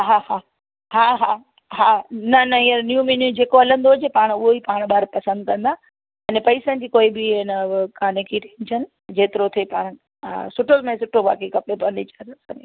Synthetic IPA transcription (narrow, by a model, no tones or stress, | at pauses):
ɦaːhaː | ɦaːɦaː | ɦaːnɐnɐɦiəɾnjũminjũd͡ʑeːkoɐlə̃nd̪oɦʊd͡ʑepaːɽ̃ʊɦoipaːɽ̃ɓaːɾpɐsə̃nd̪̚kɐ̃nd̪a | ɐnepɐisənd͡ʑiːkoːibɪɪnəkaːnekʰiʈẽnd͡ʑʰənɪ̆ | d͡ʑeːt̪ɪɾot̪ʰepa̰ːɽ̃ | a̰sʊʈʰozmẽsʊʈʰoʋa̰ːkekɐpepɐnit͡ɕaɾsã̰ːe